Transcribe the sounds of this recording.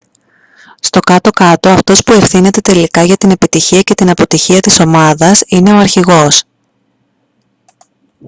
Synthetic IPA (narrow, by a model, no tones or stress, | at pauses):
st̪o̞kɐt̪o̞kɐt̪o̞ɐft̪o̞spue̞fθine̞t̪e̞t̪e̞likɐʝɐt̪ine̞pit̪içiɐce̞t̪inɐpo̞t̪içiɐt̪iso̞mɐðɐsine̞o̞ɐɾçiɣo̞s